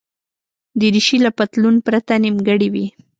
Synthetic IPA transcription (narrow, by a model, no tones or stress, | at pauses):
d̪əɾiʃilapat̪lunpɾat̪animɡəɽiwi